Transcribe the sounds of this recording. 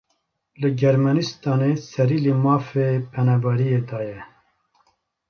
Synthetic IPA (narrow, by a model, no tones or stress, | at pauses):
lɨɡɛɾmɛnist̪ɑːnesɛɾiːlimɑːfeːpʰɛnɑːbɑɾijeːd̪ɑːjɛ